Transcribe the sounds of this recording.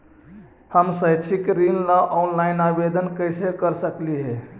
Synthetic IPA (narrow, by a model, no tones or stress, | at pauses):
həmsəjt͡ʃʰikɾinlaʔɔnlajnabed̪ənkəjsekəɾsəkliɦɛ